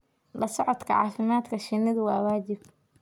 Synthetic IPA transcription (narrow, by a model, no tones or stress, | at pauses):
lɐsɔʕɔt̪kʰɐʕɑ̰ːfɪmaːd̪kʰɐʃɪnːɐðʊwɑːwaːt͡ʃɪb̚